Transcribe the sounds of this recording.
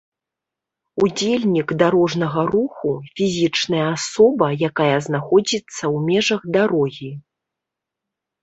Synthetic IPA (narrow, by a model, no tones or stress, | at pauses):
ud͡zʲelʲnʲikd̪aɾɔʐnɐɣɐɾuxufʲizʲit͡ʂnɐjɐasɔbɐjakajɐznaxɔd͡zʲit̪sːɐwmʲɛʐɐɣd̪aɾɔɣʲi